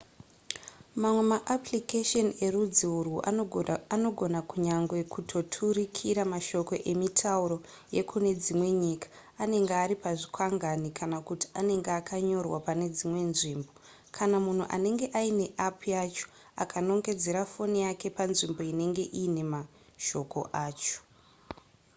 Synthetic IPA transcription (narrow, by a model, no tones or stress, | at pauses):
mamwe̞maʔaplikeʃone̞rud͡ziuruʔano̞ɡʱo̞nakuɲaŋɡwe̞kutʰo̞tʰuɾikʰiɾamaʃo̞ko̞ʔe̞mitʰauɾo̞ | je̞kʰune̞d͡zimwe̞ɲiːkḁː | ne̞ŋɡeaɾipaʐikwaŋɡanikʰanakuti̥ane̞ŋɡeakʰaɲo̞rwapane̞d͡zimwe̞nʐiːmbo̞ | kʰanamun̤uʔa̰ne̞ŋɡe̞ʔaine̞ʔapojat͡ʃo̥ | a̰kʰano̞ŋɡe̞d͡ze̞ɾafo̞nijake̞panʐimbo̞ine̞ŋɡe̞ʔiːne̞ma | ʃo̞ko̞̰ʔaːt͡ʃo̥